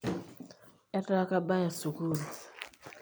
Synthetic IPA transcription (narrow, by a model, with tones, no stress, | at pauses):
ɛ˦ta˦ka˦ba˦ja˨su˨ku˦˨ɾu˨